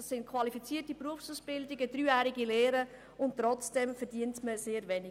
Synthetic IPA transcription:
ɑsːɪntkʰvɑlifit͡siːtipruəfsuːsb̥ɪldɪɡədɾyːjæːɾiɡilɛːɾə | ʊnttːɾɔt͡sd̥ɛmfɛdiəntməseːɾvɛnɪ

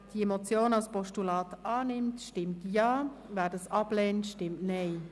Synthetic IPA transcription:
d̥iemot͡sjoːnɑlspɔʃtulɑːtɑːnɪmtʃtɪmtjɑːvæːdɑsɑb̥lɛːntʃtɪmtnɛɪ

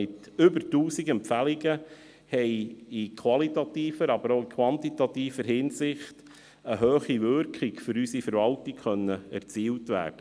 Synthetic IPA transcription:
ɪt̪ | ʏbəɾtuːsiɡɛmpfæliɡə | hɛɪikʰʋɑlitɑt̪iːfəɾɑbəɾoʊikʰʋɑntitɑtiːfəɾhɪnsɪχt | əɦøːχiʋʏɾkχɪkfʏɾysifəɾʋɑltɪkχœnːəæ̰ɾt͡siːltʋæ̰ːrd̥ə

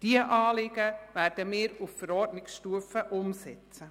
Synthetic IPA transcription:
d̥iəʔɑːlɪɡ̥əvæːɾd̥əmɪːɾufəɾɔrdnɪksʃtuəfəʔʊmsɛt͡sə

